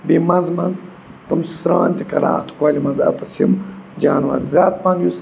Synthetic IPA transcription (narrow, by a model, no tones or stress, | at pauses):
bimɐnzmɐnz | t̪ɨmsɾaːnʲt̪ʲikɐ̰ɾa̰ːt̪u̥kaːlʲimɐnzɐ̰t̪ɐsimd͡ʒaːnwɐ̰ɾzʲaːt̪̚pɐnjus